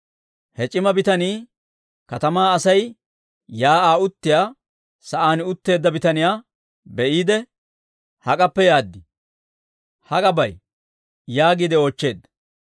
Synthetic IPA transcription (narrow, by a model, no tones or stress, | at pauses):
hɛt͡ʃʼːɪmɐbɪt̪ɐniː | kɐt̪ɐmaːɐsɐj | jaːʔaːʊt̪ːɪjaː | sɐʔaːnʊt̪ːe̞ːd̪ːɐbɪt̪ɐnɪjaː | bɛʔiːd̪ɛ | hɐkʼɐpːɛjaːd̪ːɪ | hɐkʼɐbɐj | jaːɡid̪ɛoːt͡ʃːe̞ːd̪ːɐ